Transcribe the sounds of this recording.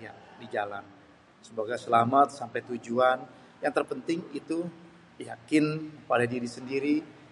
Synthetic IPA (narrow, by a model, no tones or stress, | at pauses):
ja̰did͡ʒala̰n | səmaɡajsəlamat̪̚sampajt̪ud͡ʒuan | jaŋt̪ərpənt̪ɪŋit̪u | jakɪnpalajdiɾisəndiɾi